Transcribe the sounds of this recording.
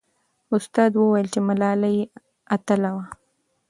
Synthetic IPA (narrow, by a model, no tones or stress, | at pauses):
ʊst̪ɑd̪wəwajəlt͡ʃemalɑlaje | at̪əlawa